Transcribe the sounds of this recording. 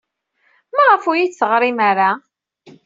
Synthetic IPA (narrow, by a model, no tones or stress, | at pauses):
mæʁəfujiθθəʁɾˤimaɾa